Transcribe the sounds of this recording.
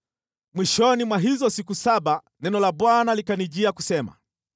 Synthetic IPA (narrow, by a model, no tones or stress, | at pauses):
mwiʃɔnimwaɦizɔsikusaɓa | nɛnɔlaɓwanalikaniʄiakusɛma̰